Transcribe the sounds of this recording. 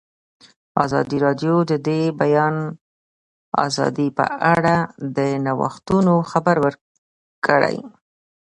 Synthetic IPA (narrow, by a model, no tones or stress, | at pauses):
ɑzɑ̰d̪iɾɑd̪jod̪əd̪ebajɑn | ɑ̰zɑ̰d̪ipə̰ʔaɽad̪ənawa̰xt̪unoxabaɾwəɾ | kəɽa̰j